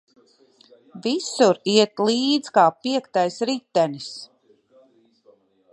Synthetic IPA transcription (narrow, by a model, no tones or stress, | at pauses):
visuɾiɛt̪lˠiːd̪zkaːpiɛkt̪ajsɾit̪ːænis